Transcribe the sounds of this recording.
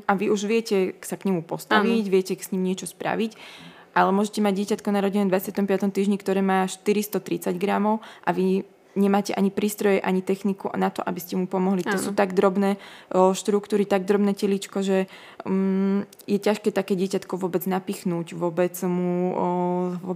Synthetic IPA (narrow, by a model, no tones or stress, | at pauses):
ʔaʋiuʒʋɪɛcɛsakɲɛmupɔst̪aʋiɟʋɪɛcɛsɲiːmɲɪɛt͡ʃɔspɾa̰ʋic | ʔalɛmʊɔʒɛcɛmaɟ̚ːɪɛcat̪kɔnaɾɔɟinɛd̪ʋat͡sɪat̪ɔmpɪat̪ɔmt̪iːʒɲikt̪ɔɾɛːmaːʃt̪iɾist̪ɔt̪ɾit͡saɟɡɾamɔʊʔaʋi | ɲɛmaːcɛʔaɲipɾiːst̪ɾɔjɛʔaɲit̪ɛxnikunat̪ɔ̰ʔabiscɛmupɔmɔɦlit̪ɔsuːt̪aɡd̪ɾɔbnɛːʃt̪ɾukt̪uːɾit̪aɡ̚d̪ɾɔbnɛːcɛlit͡ʃkɔʒɛ | jɛcaʃkɛːt̪akɛːɟɪɛcat̪kɔʋʊɔbɛd͡znapiːxnuːɟʋʊɔbɛd͡zmu | ʋɔ